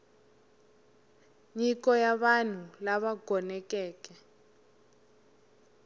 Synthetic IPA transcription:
ɲikɔjaβan̤ulaβaɡʱɔnɛkɛːkɛ

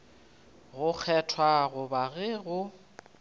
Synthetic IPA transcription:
ɣʊk͡xʰɛtʰwaɣʊbaɣɪːɣʊ

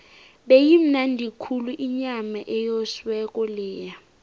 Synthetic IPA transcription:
ɓejim̩nandʱikʰuluʔiɲamaʔɛjɔswɛkʼɔlɛːja

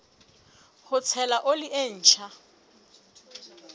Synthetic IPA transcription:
hʊt͡sʰɛlaʔolɪʔen̩ːt͡ʃʰa

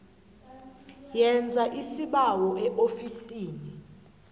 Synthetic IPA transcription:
jɛnd͡zʱaʔisiɓawɔʔɛʔofisiːni

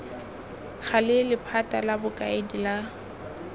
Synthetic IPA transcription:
ɣalɪlɪpʰatʼalabʊkʼaɪdila

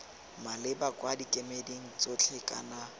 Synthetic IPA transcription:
malɪbakwadikʼemedeŋ̩t͡sʼot͡ɬʰɪkʼa̰na

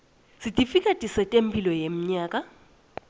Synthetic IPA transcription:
sitʼifikʼatʼisɛtʼempʰʼilɔjem̩ɲaːkʼa

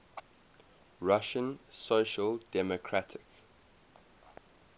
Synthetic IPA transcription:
ɹaʃə̃nsoʊʃəldɛmɔkʰɹatʰɪk

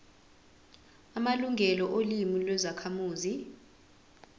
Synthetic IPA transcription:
amaluŋɡʱɛlɔʔolimilwɛzakʰamuːzi

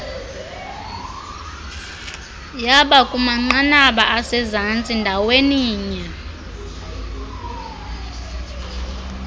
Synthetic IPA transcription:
jaɓakʼumaŋ͡ǃanaɓaʔasɛzant͡sʼindʱaweniːɲɛ

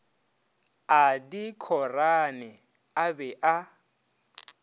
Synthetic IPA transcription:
adikʰɔranɛ | abɛʔa

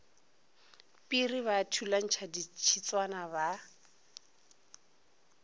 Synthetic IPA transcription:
pʼiriβatʰulan̩t͡ʃʰadit͡ʃʰit͡swanaβa

